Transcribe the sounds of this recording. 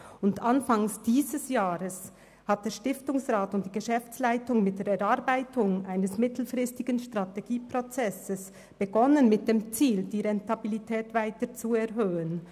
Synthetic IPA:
ʊndanfaŋsd̥iːzəsjaːʁəs | hat̚d̥eːɐʃtɪftʊŋsʁaːtʊnt̚d̥iːɡəʃɛft͡slaɪtʊŋmɪt̚d̥eːɾɛɾaɾbaɪtʊŋʔaɪnəsmɪtl̩fʁɪstɪɡ̥ənʃtʁateɡ̥iːpʁot͡sɛsəs | b̥əɡɔnənmɪt̚d̥eːmt͡siːld̥iːʁɛntabilitʰɛːtvaɪtət͡suɛʁɦøːən

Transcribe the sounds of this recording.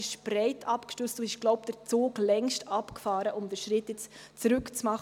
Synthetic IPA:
ɪʃb̥ɾɛɪtʰɑpkʃtøːstd̥uɪʃɡ̥lɔʊpd̥̪əɾt͡soːɡlɛŋʃtʰɑpkfɑːɾəʔʊmd̪əɾʃɾɪtjɛt͡st͡sɾʏkt͡smɑχ

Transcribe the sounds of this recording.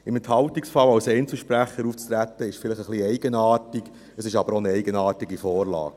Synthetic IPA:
ɪmɛnthɑwtiksfɑlɑwsɛɪnt͡sl̩ˠʃpɾæχːəɾuːft͡st̪ɾæt̪ːəɪʃfɪləχəχliɛɪɡənɑːtik | əsɪʃɑb̥əɾonəɛɪɡənɑːtiɡifɔːɾlɑ̰ːk

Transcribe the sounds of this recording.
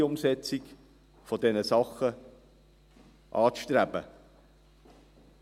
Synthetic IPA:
ʊmsɛt͡sɪk | fɔdɛnəsɑχə | ʔɑːt͡sʃtɾæb̥ə̰

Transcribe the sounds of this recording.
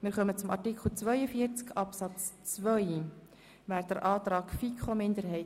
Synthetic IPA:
mɪɾχœmət͡sʊmɑ̰tikχl̩t͡svœʏəfiːəɾt͡skɑpsɑt͡st͡svœʏ | væːɾdəɾʔɑːt̪ɾɑːkfikχomɪndəɾɦɛɪ

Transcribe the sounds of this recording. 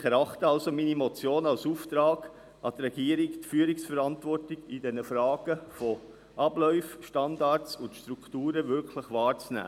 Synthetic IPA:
χɛɾɑχt̪əɑlsominimot͡sjoːnɑlsuːft̪ɾɑːɡ | ʔɑd̪ɾɛɡ̥iəɾiktfyːɾiksfəɾɑntʋɔrtɪɡid̥ɛnəfɾɑːɡ̥əfɔ | ʔɑblœʏfʃtɑndɑɾtsʊntʃt̪ɾuktuːɾəvʏɾkʰləχʋɑːɾt͡snæ̰ː

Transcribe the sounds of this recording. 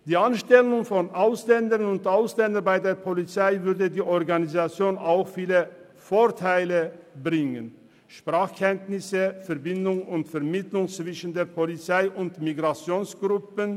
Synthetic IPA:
d̥iːanʃtɛlʊŋfɔnʔaʊslɛndəʁnʊntʔaʊslɛndɐnbaɪdeːɐpʰolit͡saɪvʏɐdədiːʔɔɐɡanizat͡sjoːnaʊxfiːlə | foːɐtʰaɪləbʁɪŋən | ʃpʁ̥aːχkʰɛntnɪsəfɛɐbɪndʊŋʊntfɛɐmɪtlʊŋt͡sv̥ɪʃən̩deːɐpʰolit͡saɪʔʊntmiɡʁat͡sjoːnsɡ̥ʁʊpən

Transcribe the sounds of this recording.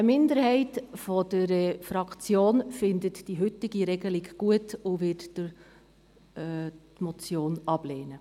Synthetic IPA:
əmɪndəɾhɛɪtfɔd̥əɾɛfɾɑkt͡sjoːnfɪndətd̥iɦʏtːɪɡiɾɛɡəlɪɡɡ̥uətʊʋɪtd̥ə | tmɔt͡sjoːnɑb̥leːnə

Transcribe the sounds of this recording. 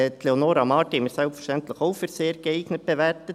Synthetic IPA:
t̪ʰleonoːɾɑmɑtɪmɪsœlpfə̥ʃtɛnt̪ləxoʊfəɾseːəɾɡ̥əeɪɡnət̚b̥əʋæɾtə

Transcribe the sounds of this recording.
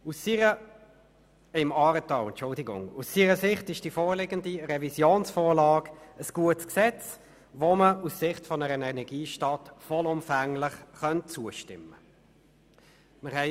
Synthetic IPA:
usiə | ɪmɑːɾətɑɛntt͡ʃʊldɪɡʊ̰ŋusiːɾəsɪχtɪʃd̥iːfoːʁlɪɡəndiʁɛvisjoːnsfoːʁlɑːɡəsɡ̥uətsksɛt͡s | ʋoməussɪχtfɔnəɾənɛnɛɡ̥iːʃtɑːtfɔlʊmfæŋlɪχχœntt͡suəʃtɪmːə | məʁhɛɪ

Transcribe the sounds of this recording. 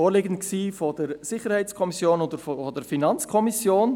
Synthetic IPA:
oːɾlɪɡən̩t̚ksiːfod̥əɾsɪχəɾhɛɪt͡skʰɔmisjoːnodəɾffɔdɛɾfinɑnt͡skʰɔmisjoːn

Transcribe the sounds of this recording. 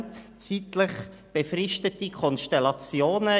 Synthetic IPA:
t͡siːtlɪχ | b̥efrɪʃtətikʰɔnʃtɛlɑt͡sjoːnə

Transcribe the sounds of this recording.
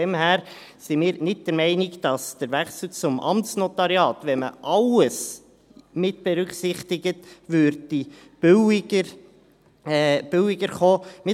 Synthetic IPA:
ɛmhæːɾ | simɪːɾnɪt̚d̥əɾmɛɪnɪɡd̥ɑsd̥əɾvæχsl̩t͡sʊmʔɑ̰mtsnɔtɑɾiɑːtvɛmə̰ʔɑləs | mɪt̚b̥ɛɾʏχsɪχtɪɡətʋøɾddi | b̥ə | b̥ʏwɪɡəɾχoːmɪ

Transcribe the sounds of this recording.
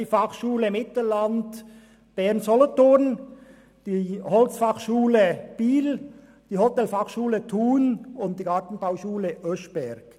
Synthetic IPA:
ifɑχʃuːləmɪtləlɑnd | b̥ɛʁnsɔloton | d̥ihɔlsfɑχʃuːləb̥iːl | d̥iːhɔtɛlfɑχʃuːlətʰuːnʊnt̚d̥iːɡɑːtn̩baʊʃuːləʔœʃb̥ɛɾɡ̥

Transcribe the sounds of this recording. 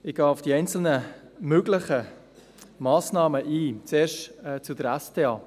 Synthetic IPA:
ɪɡ̥ɑːʊfd̥iɛɪnt͡sl̩nə | møɡlɪχə | mɑːsnɑːməʔiːt͡seːɾʃtɛːt͡sudəɾæsteːɑː

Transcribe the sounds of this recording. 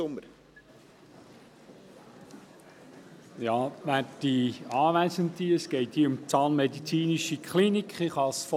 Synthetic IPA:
ʊməɾ | jɑːʋæːd̥iɑːʋæɪsəntiəsɡ̥ɛɪthiəʊmt͡sɑːnmɛdit͡siːniʃikχlinikχɪχɑsf

